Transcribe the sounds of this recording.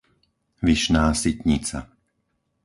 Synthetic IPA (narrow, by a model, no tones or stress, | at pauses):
ʋiʃnaːsit̪ɲit͡sa̰